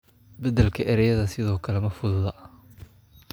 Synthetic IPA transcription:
bɐd̪ɛlkʰɐʔɛɾɛjɐðɐsɪðɔːkʰɐlɛmɐfʊðʊðɐ

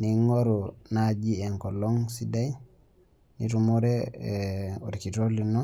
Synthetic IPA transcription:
niŋoɾunad͡ʒieŋkoloŋsidaj | nitumoɾe | oɾikitolino

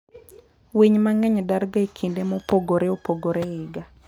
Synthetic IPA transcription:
weɲmaŋɛɲdaɾɡaekʰindemɔpoɡoɾeopoɡoɾɛɪɡa

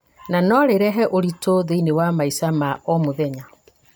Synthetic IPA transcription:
nanɔɾeɾɛɦɛʔoɾitoðeinewamaisamaɔmoðɛɲa

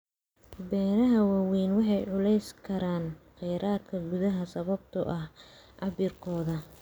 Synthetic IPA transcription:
bɛːɾɐɦɐwawiːnwɑħɑjʕʊlɛjskʰɐɾaːnqɛjɾaːd̪kʰɐɡʊðɐɦɐsɐβɐb̚t̪ʰʊ̰ʔɐhʔɑβɪrkʰɔːðɐ

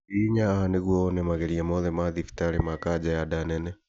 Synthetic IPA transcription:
iːɲaaneɣwɔnɛmaɣɛɾiamɔðɛmaðifi̥taɾemakad͡ʒajadanɛnɛ

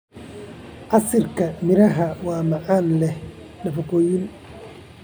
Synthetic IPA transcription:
ʔɐsɪrkʰɐmɪɾɐɦɐwaːmɐʕaːnlɛhnɐfɐkoːjɪn

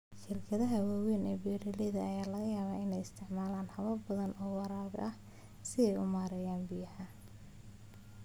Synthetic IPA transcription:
ʃɪrkʰɐðɐɦɐwaːwɛːnɛːbɛːɾɪlɛðɐɐjaːlɐɣɐjaːβaːɪnɛjɪst̪ʰɪʕmaːlaːnhɐβɐbɐðɐnʔɔːwɑɾaːɡʔɐh | sɪɛjʊmaːɾɛjaːnbɪjɐħɐ

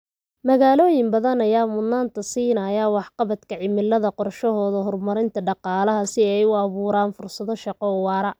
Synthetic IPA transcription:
mɐɣaːlɔːjɪmbɐðɐnɐjaːmʊnːaːnt̪ʰɐsiːnɐːjaːwɑħqɑβɐd̪kʰɐʕɪmɪlːɐðɐqɔrʃɔɦɔːðɐɦɔrmɐɾɪnt̪ʰɐɖɑqɑːlɐɦɐsɪɛjʊɑβuːɾaːnfʊrsɐðɔʃɑqɔwɑːɾɐ

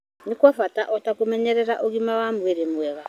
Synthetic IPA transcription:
nikwafataʔɔtakumɛɲɛɾɛɾaʔoɣimawamuweɾemuwɛɣa

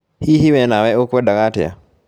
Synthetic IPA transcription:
hihiwɛnawɛokwɛdakatɛ̰a̰

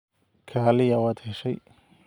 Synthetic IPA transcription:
kʰaːlɪjɐwɐt̪ʰɛʃɐj

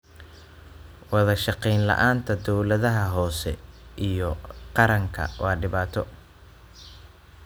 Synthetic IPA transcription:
wɑðɐʃɑqɛjnlɐ̰ʔaːnt̪ʰɐd̪ɔwlɐðɐɦɐɦɔːsɛ̰ʔijɔqɑɾɐŋkʰɐ̰wɑːɖɪβaːt̪ʰɔ

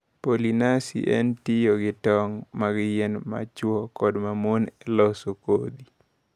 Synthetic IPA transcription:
polinasḭʔɛ̰ntijoɡɪtɔŋmaɡjenma̰t͡ʃwɔkɔdmamonɛlɔsokod̪i

